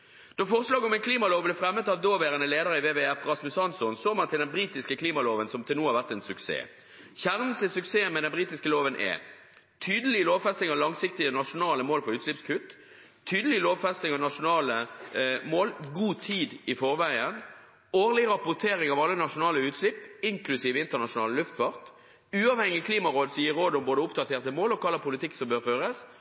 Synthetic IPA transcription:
d̪̥ofɔʁslɑːɡɔmɛnkʰliːmɑloːʋblɛfɾɛmːət̪ɑʋd̪oːʋeːʁənəleːd̪əʁəɪʋeːʋɛæfʁɑsmʉsɑnsɔnsoːmɑnt̪ʰɪld̪ɛnbɾiːt̪ɪskəkʰliːmɑloːʋənsɔmt̪ʰɪlnuːhɑʁʋæʁt̪ɛnsʉksḛː | çæʁnət̪ʰɪlsʉkseːənmɛd̪ɛnbʁiːt̪ɪskəloːʋənʔɛ̰ | t̪ʰyːd̪əlɪloːʋfɛst̪ɪŋɑʋlɑŋsɪkt̪ɪənɑʂʊnɑːləmoːlfɔʁʉːt̪slɪpskʰʉt̪ː | t̪ʰyːd̪əlɪloːʋfɛst̪ɪŋɑʋnɑʂʊnɑːləmoːlɡuːt̪ʰiːd̪ɪfɔʁʋæɪən | oːʁlɪʁɑpʊʁt̪ʰeːʁɪŋɑʋɑlːənɑʂʊnɑːləʉːt̪slɪpːɪŋklʉsiːʋəɪnt̪əʁnɑʂʊnɑ̰ːləlʉft̪fɑʁt̪ | ʉːɑːʋhɛŋɪɪkʰliːmɑʁoːd̪sɔjiːʁoːd̪ɔmboːd̪əʊpd̪ɑt̪ʰeːʁt̪əmoːlɔkʰɑlːəpʰʊlɪt̪ʰɪkːsɔmbøːʁføːʁəs

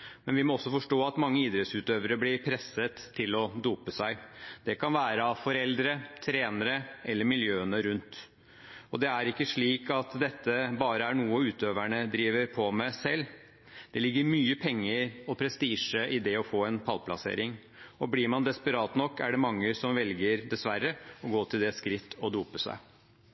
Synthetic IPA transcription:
mɛnʋɪmɔɔsːɔfɔʂʈoːɑt̪mɑŋːəiːd̪ɾɛt̪sʉːt̪øːʋəɾəblɪɾpʰɾɛsːət̪ʰːɪlɔd̪uːpəsæɪd̪̥ɛkʰɑnʋæːɾəɑfɔɾɛld̪ɾət̪ʰɾeːnəɾəʔɛlːəɾmɪljøːənəɾʉnt̪ | ɔd̪ɛæɾɪkːəʂɭiːkʰɑt̪d̪ɛt̪ʰːəbɑːɾəæɾɳuːəʉːt̪øːʋæɳəd̪ɾiːʋəɾpʰɔmæsɛlː | d̪̥ɛlɪɡːəɾmyːəpʰɛŋːəɾɔpʰɾɛst̪iːʂəʔɪd̪ɛɔfoːɛnpʰɑlpʰlɑsḛːɾɪŋ | ɔblɪɾmɑnd̪ɛspəɾɑːt̪nɔkːæɖɛmɑŋːəsɔmʋɛlɡəɾd̪ɛsʋæɾːəɔɡoːt̪ʰɪld̪ɛskɾɪt̪ʰːɔd̪uːpəsæ̰ɪ

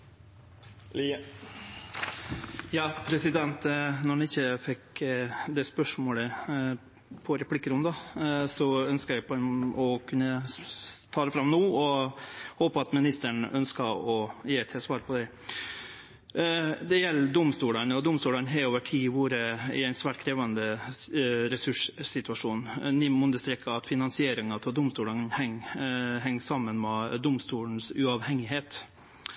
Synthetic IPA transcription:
jɑːpʰɾɛsɪd̪ɛnt̪nɔɳɪɪçːəfɛkd̪ɛspœʂmoːlə | pʰɔɾɛpʰlɪkːəɾʊnd̪ɑsɔœnskəɾæpɔkʰʉnːə | t̪ʰɑːɾəfɾɑmnoːɔhoːpəɑt̪mɪnɪst̪əɳœnskɑɔjeːɛt̪ʰːɛsʋɑːɾpʰɔd̪ɛ | d̪ɛjɛlːd̪ʊmst̪uːlənɔd̪ʊmst̪uːlɑnɦɛoːʋəʈʰiːʋuːɾəɪ̰æɪnsʋæːʈ̚kʰɾeːʋɑnd̪ə | ɾɛsʉʂsɪt̪ʉɑʂuːnnɪmʉnd̪əʂt̪ɾɛkːəɑt̪fɪnɑnsɪeːɾɪŋɑt̪ʰɔld̪ʊmst̪uːlɑnhɛŋɦɛŋːsɑmːənmɛd̪ʊmst̪uːln̩sʉɑʋhɛŋːɪɦeːt̪

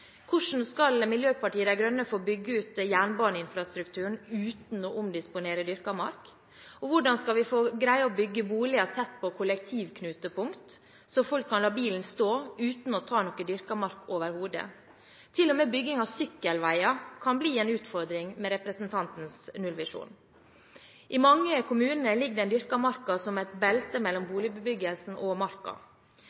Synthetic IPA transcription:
kʰʊʂn̩skɑlmɪljøːpʰɑʈiːəd̪æɡɾœnːəfoːbʏɡːəʉːt̪jæːɳbɑːɳəɪnfɾɑst̪ɾʉkt̪ʰʉːɳ̩ʉːt̪n̩ɔʔʊmd̪ɪspʊneːɾəd̪ʏɾkɑmɑ̰ɾk | ɔʋʊɖɑnskɑlʋɪfoːɡɾæɪɑɔbʏɡːəbuːlɪɑt̪ʰɛt̪̚ːpʰɔkʰʊlɛk̚t̪ʰiːʋkʰnʉːt̪əpʊŋkt̪ | sɔfɔlkʰːɑnlɑːbiːln̩st̪oːʉːt̪n̩ɔt̪ʰɑːnɔkəd̪ʏɾkɑmɑɾkoːʋəɾhuːd̪ə̰ | t̪ʰɪlːɔmeːbʏɡːɪŋɑʋsʏkːəlʋæɪɑkʰɑnbliːɛːnʉːt̪fɔɾd̪ɾɪŋmɛɾɛpɾɛsnt̪ʰɑnt̪n̩snʉlʋɪʂṵːn | ʔɪmɑŋːəkʰʊmʉːnənəlɪɡd̪ɛɪnd̪ʏɾkɑmɑɾkɑsɔmɛt̪bɛlt̪əmɛlːɔmbuːlɪbəbʏɡəlsn̩ɔmɑɾkɑ̰

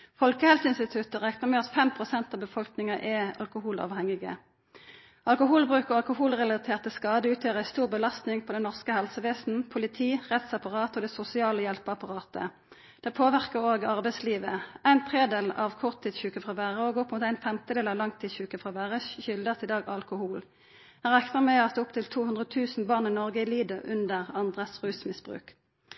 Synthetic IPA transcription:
fɔlkəhɛlsəɪnst̪ɪt̪ʰʉt̪əʁɛkt̪əʁmeːɔsfɛmpʰʁʊsɛnt̪ɑːbəfɔlknɪŋɑʔɛɑ̰lkʊhuːlɑ̰ːʋhɛŋɪɡə̰ | ɑlkʊɦuːlbʁʉːkəʁɑlkʊhuːlʁɛlɑt̪ʰeːʁt̪əskɑːd̪əʉːt̪ʰjøːʁəæɪst̪uːʁbəlɑst̪nɪŋpʰɔd̪ɛnɔʁskəhɛlsəʋeːsn̩pʰʊlɪt̪ʰiːʁɛt̪sɑpɑʁɑːt̪ɔːd̪ɛsʊsɪɑːləjɛlpəɑpɑʁɑːt̪ə̰ | d̪̥ɛpʰoːʋæʁkəʁoːɡɑʁbæɪsliːʋəæɪnt̪ʰʁeːd̪eːlɑ̰ːʋkʰʊʁt̪ʰːiːd̪çʉːkəfʁɑʋæːʁəoːɡɔpmʊːt̪æɪnfɛmt̪əd̪eːlɑːʋlɑŋt̪ʰːiːd̪çʉːkəfʁɑʋæːʁəʃʏld̪ət̪ɪd̪ɑːɡɑlkʊhuːl | hæʁɛkt̪əʁmæɑt̪ʊpt̪ʰɪlt̪ʰuːhʉnd̪ʁət̪ʰʉːsn̩bɑːʁnɪnɔʁɡəɪliːd̪əʔʉnd̪əʁɑnd̪ʁəsʁʉːsmɪsb̥ʁʉ̰ːk

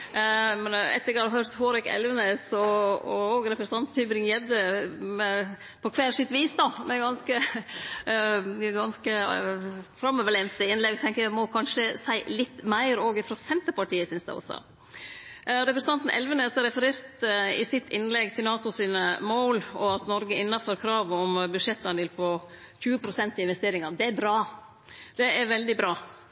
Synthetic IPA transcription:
mɛnɛ̰t̪ːəɾɡɑɾɦœɾt̪hoːɾɛkɛ̰lʋənesɔɔoːɡɾɛpɾəst̪ɑnt̪nt̪ʰyːbɾɪŋjɛd̪əmɛ | pʰɔkʰʋæːlʂɪt̪ʋiːsd̪ɑmɛɡɑnskə | ɡɑnskə | fɾɑməʋəlɛnt̪əɪnlɛɡt̪ʰɛŋkəjæmɔkʰɑnʂəsæɪlɪt̪ːmæɪɾoːɡɪfɾɔsɛnt̪əɾpɑʈiːəsʏnsd̪ɛ̰ɔ̰sɔ̰ | ɾɛpɾəsəɑnt̪n̩ʔɛ̰lʋənəɛsɔɾɛfəɾeːɾt̪ɪ̰sɪt̪ʰːɪnlɛɡt̪ʰɪlnɑːt̪ʊsiːnəmoːlɔɑt̪nɔɾɡəɪnːɑføɾkʰɾɑːʋɔmbʉʂɛt̪ːɑnʋɪlfʰɔ | çʉːəpʰɾʊsɛnt̪ɪɪnʋɛst̪eːɾɪŋɑd̪ɛæɾbɾɑː | d̪̥ɛæɾʋɛld̪ɪbɾɑː

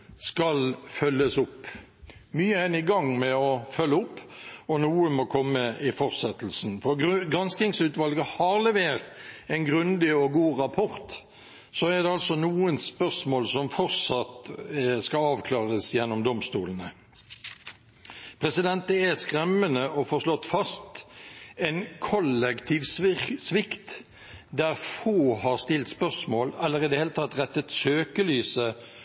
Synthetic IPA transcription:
skɑlfœlːəsʊpː | myːəɛnɪɡɑŋmɛɔfœlːəʊpːɔnuːəmokʰɔmːəʔɪfɔʁsɛt̪l̩snfɔɾɡɾɑnskɪŋsʉːt̪ʋɑlɡəhɑʁlɛʋeːʁt̪ɛnɡɾʉnd̪ɪɔɡuːʁɑpʰɔɾt̪ | soɛʁd̪ɛɑlsɔnuːənspœʁsmoːlsɔmfɔʁsɑt̪skɑɑːʋkʰlɑːʁəsjɛnːɔmd̪ɔmst̪ṵːlənə | pʰʁɛsɪd̪ɛnt̪̚d̪əɛskʁɛmːənəʔɔfoːʁʂlɔt̪ːfɑst̪ | ɛnkʰɔlɛkt̪ʰiːʋssʋɪkt̪ | d̪æʁfoːhɑʁst̪ɪlt̪spœʁsmoːlɛlːəʁɪd̪ɛheːlət̪ʰɑt̪ːʁɛt̪ːət̪søːkəlyːsə

